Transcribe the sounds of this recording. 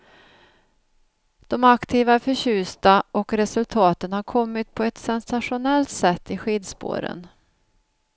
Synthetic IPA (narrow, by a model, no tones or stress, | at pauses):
d̪̥ɔmakt̪ʰiːvaæɾfœɾɕʉ̟ːst̪aʔɔkɾɛsɵlt̪ʰɑːt̪ənhaɾkʰɔmːɪt̪̚pʰɔɛt̪sɛnsaʂʊnɛlt̪sɛt̪ːɪɧiːd̪spo̰ːɾə̰n